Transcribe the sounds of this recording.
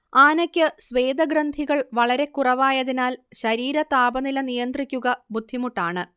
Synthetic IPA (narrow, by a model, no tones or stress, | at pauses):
aːnɐkʲːɨsʋe̞ːd̪ɐɡrɐnd̪ʱiɣɐɭʋɐɭɐɾe̞kːurɐʋaːjɐðinaːlɕɐɾiːɾɐt̪aːbɐnilɐnijɐnd̪rikʲːuɣɐbud̪ʱːimuʈːaːɳɨ